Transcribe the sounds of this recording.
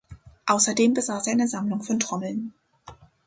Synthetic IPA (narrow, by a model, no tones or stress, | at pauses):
ʔaʊsɐdeːmbəzaːsʔaɪnəzamlʊŋfɔntʁ̥ɔml̩n